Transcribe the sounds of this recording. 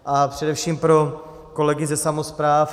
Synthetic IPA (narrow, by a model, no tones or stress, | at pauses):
ʔapr̝̥ɛdɛfʃiːmpɾo̞ | ko̞lɛɡɪzɛsamospɾaːf